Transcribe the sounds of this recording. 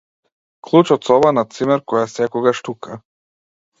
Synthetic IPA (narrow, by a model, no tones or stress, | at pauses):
klˠut͡ʃɔt̪sɔbanat̪simɛɾkɔjasɛkɔɡaʃt̪uka